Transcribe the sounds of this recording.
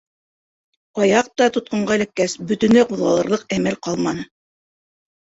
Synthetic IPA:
ɑjɑq̚t̪ɑt̪ŏt̪̚qɤ̆ɴɢɑɘ̆lækːæsbɵ̆t̪ɵ̆nlæquðʁɑlˠɤ̆ɾlˠɤq̚æmælqɑlˠmɑnɤ

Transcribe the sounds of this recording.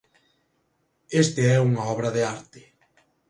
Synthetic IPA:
est̪ɪɛuŋaɔβɾɐðeaɾt̪ɪ

